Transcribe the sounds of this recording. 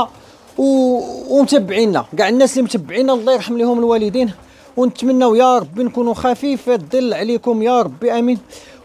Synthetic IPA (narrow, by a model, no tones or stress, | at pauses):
w | mt̪əbːʕinːæɡaʕd̪nːæslimt̪əbːʕinːællˤːɑjɾˤħəmːlihʊməlwæləd̪in | wnət̪mənːæwjɑɾˤɑbːinkunuxæfifid̪ˤəlːʕlikʊmjɑɾˤɑbːiʔæmin